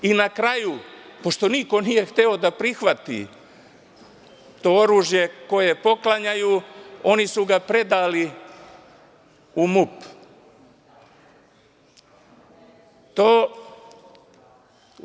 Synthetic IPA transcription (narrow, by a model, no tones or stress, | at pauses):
inakɾajupo̞ʃt̪o̞niko̞nije̞xt̪eo̞d̪apɾixʋat̪ḭ | t̪ooɾuːʒje̞ko̞je̞po̞klˠaɲajuo̞nisuɡapɾe̞d̪ali | umup | t̪oː